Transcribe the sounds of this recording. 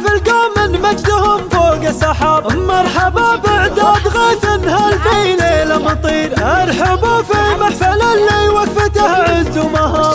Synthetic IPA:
filkaːmɪnmad͡ʒd̪ahʊmfoːɡasɑħɑmɑɾˤħababɪʕd̪ad̪ɣiːt̪ɪnhalfileːlamɑt̪ˤiːɾʔɑɾˤħabufiːmaħfalanːiwakfɪt̪ahʕɪnd̪umaɦɑː

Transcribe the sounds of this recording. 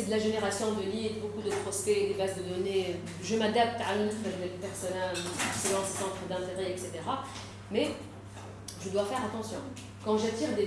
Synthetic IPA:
ed̪əlaʒeneʁasjɔ̃d̪əlilbokud̪əpχɔsped̪ebazd̪əd̪ɔne | ʒəmad̪ap̚t̪ʕalɛ̃sɛʒd̪ɛpɛʁsɔnalɛkselɑ̃ssɑ̃t̪χəd̪ɛ̃t̪eʁɛɛkset̪eʁa | mɛ | ʒəd̪wafɛʁat̪ɑ̃sjɔ̃ | kɑ̃ʒat̪iʁd̪e

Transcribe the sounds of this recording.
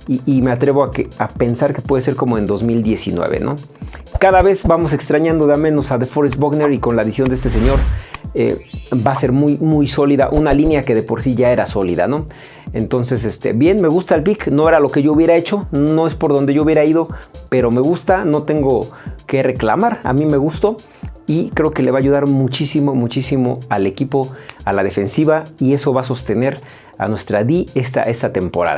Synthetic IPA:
iːmeat̪ɾe̞βoakeape̞nsaɾke̞pwe̞ðeseɾko̞moend̪o̞zmild̪je̞sḭnwḛβḛnʔo̞̰ | kaðaβe̞zbamo̞se̞kst̪ɾaɲãnd̪o̞ðeamẽ̞no̞saðefoɾezboɣneɾiko̞nlaðisjond̪eest̪e̞s̬e̞ɲo̞ɾḛbase̞ɾmujmujso̞liða̰ʔunalinjake̞ðe̞po̞ɾsiʝae̞ɾaso̞lḭða̰no̞ | ent̪o̞nse̞s̬est̪ḛbje̞nme̞ɣ̞ust̪aelpikno̞e̞ɾalo̞ke̞ʝouβje̞ɾae̞t͡ʃo̞noe̞spo̞ɾðond̪e̞ʝouβjeɾaiðo̞pe̞ɾo̞me̞ɣust̪ano̞t̪e̞ŋɡo̞ke̞re̞kla̰maɾa̰mĩme̞ɣust̪o̞ | ikɾe̞oke̞leβaːʝuðaɾmut͡ʃisimomut͡ʃisimoale̞kipo̞a̰lað̞e̞fe̞nsiβaie̞so̞βas̬o̞st̪e̞ne̞ɾ | a̰nwe̞st̪ɾaðiest̪a̰ʔe̞st̪at̪e̞mpo̞ɾa̰ð̰

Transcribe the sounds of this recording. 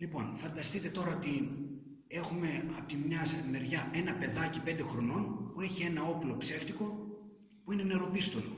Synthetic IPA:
lipo̞nfɐnd̪ɐst̪it̪e̞t̪o̞ɾɐt̪in | e̞xume̞ɐpot̪imɲɐsme̞ɾʝɐe̞nɐpe̞ðɐcipnd̪e̞xɾo̞no̞npueçie̞nɐo̞plo̞pse̞ft̪iko̞ | puine̞ne̞ɾo̞pist̪o̞lo̰

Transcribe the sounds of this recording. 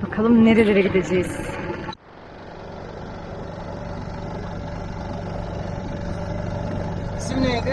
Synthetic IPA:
bakʰalˠɯmneɾelʲeɾɛɟid̪e̞d͡ʒejiz̥ | simne

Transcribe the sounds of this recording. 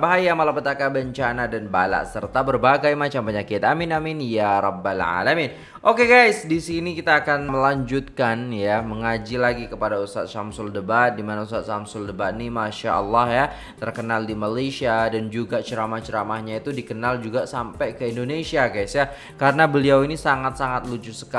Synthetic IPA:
baɦajamalapət̪akabəɲt͡ʃanadanba̰la̰ʔsərt̪abərbaɡajmat͡ʃampəɲakɪt̪aminaminjaɾɔbːalʕa̰lamin | ʔokeɡajsdisinikit̪aːkanməlaɲd͡ʒut̪̚kanjaməŋad͡ʒilaɡikəpadaust̪a̰t̪̚ʃamsʊldəbat̪̚dimanaust̪at̪̚ʃamsʊldəbat̪̚nimaʃa̰ʔəlːɑhja | t̪ərkənaldimalaʃiadand͡ʒuɡat͡ʃəɾamaht͡ʃəɾamahɲait̪udikənald͡ʒuɡasampajkəindonesiaɡajsja | kaɾənabəliawinisaŋat̪̚saŋat̪̚lut͡ʃusə̥ka

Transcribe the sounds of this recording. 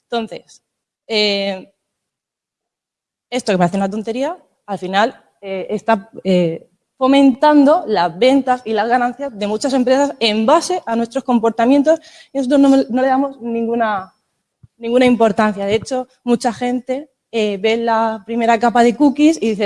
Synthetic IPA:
t̪o̞n̟θe̞s | e | e̞st̪o̞kepaɾeθeunat̪̬o̞nt̪e̞ɾia | alfinal | eest̪ae | fo̞mẽnt̪and̪o̞lazβe̞nt̪asilazɣanãn̟θjazðe̞mut͡ʃase̞mpɾe̞sase̞mbase̞ʔanwet̪ɾo̞sko̞mpo̞ɾt̪amje̞nt̪o̞s | inoo̞t̪ɾo̞znono̞le̞ðamo̞znĩŋɡuna | nĩŋɡunaimpo̞ɾt̪an̟θjaðe̞et͡ʃo̞ | mut͡ʃaxe̞nt̪e̞ | eβe̞lapɾime̞ɾakapaðe̞kukisiðiθe

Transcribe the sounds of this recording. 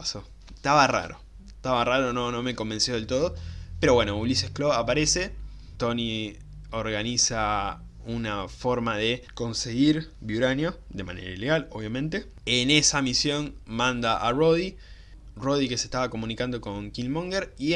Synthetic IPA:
paso | t̪aβara̰ɾo̞̰ | t̪aβaraɾono̞no̞me̞ko̞mbe̞nsjo̞ð̞e̞lt̪o̞ð̞ope̞ɾo̞βwe̞no̞ulisjehkloapaɾe̞se̞ | t̪o̞ni | oɾɣanisa | unafo̞ɾmaðe̞ko̞nse̞ɣiɾβjuɾanjod̪e̞ma̰ne̞̰ɾaile̞ɣaloβjamẽ̞nt̪e | ene̞samisjo̞nmãnd̪aʔaro̞ði | ro̞ðike̞se̞ht̪aβako̞mũnikand̪o̞ko̞ŋkilmõŋɡeɾi

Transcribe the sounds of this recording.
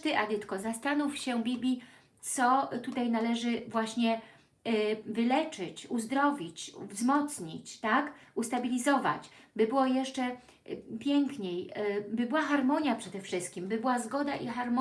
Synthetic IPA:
t̪ɘʔad̪ɘt̪kɔzast̪anufɕɛbʲibʲlʲi | t̪sɔt̪ut̪ajnalɛʐɘvwaɕɲɛ | vɘlɛt͡ʂɘt͡ɕuzd̪ɾɔvʲit͡ɕvzmɔt̪sɲit͡ɕt̪akust̪abʲilʲizɔva̰t͡ɕbɘbɘwɔjɛʂt͡ʂɛ | pʲjɛŋkɲejbɘbɘwaxaɾmɔɲjapʂɛd̪ɛfʂɘst̪̚kʲimbɘbɘwazɡɔd̪aʔixaɾmɔ

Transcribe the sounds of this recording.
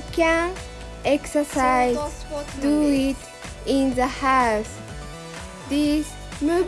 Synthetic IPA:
kæ̃n | ɛksə˞saɪz | duɪt | ɪ̃nðəhaʊs | ðis | mu

